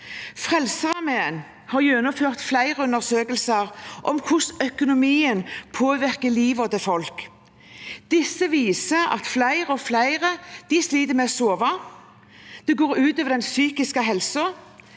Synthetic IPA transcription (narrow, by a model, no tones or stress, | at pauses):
fʁɛlsəʁɑmeːən | hɑɾjɛnːʊføːʁt̪flæɪʁəʉnəʁsøːkəlsəɾʔɔ̰mkʰʊsœkʊnʊmiːənpʰoːʋɪʁkəliːʋɑd̪ɛfɔlk | d̪̥ɪsːəʋiːsəɾɑ̰t̪flæɪʁəɔflæɪʁəd̪̥ɪsliːd̪əmɛsoːʋɑ | d̪̥ɛɡoːɾʉːt̪øːʋəd̪ɛnsyːkɪskəɦɛlsʊ